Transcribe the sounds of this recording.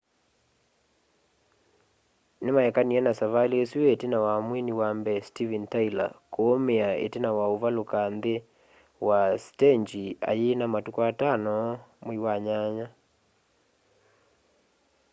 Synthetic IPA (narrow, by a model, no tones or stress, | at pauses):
nemaɛkaniɛnasavaliesuetenawamwiniwambɛstivɛntaila̰koomeaḛtenawaovalokanðe | wastɛɲd͡ʒia̰jenamatukɔatanɔmoiwaɲaɲa